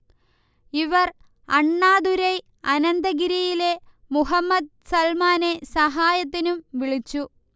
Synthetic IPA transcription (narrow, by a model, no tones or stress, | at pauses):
iʋɐr | ɐɳːaːd̪uɾej | ɐnɐnd̪ɐɡiɾijile̞ | muɦɐmːɐd̪̚sɐlmaːnesɐɦaːjɐt̪̬ːinumʋiɭit͡ɕːu